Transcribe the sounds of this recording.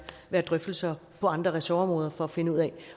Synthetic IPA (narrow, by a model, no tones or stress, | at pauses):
ʋæːɐd̥ʁœfd̥l̩sɐpʰɒ̽ɑ̈nd̥ʁɐʁɛsoɒ̽mʁɔːð̞ˠɐfɒ̽æfe̝nəuð̰ˠɛ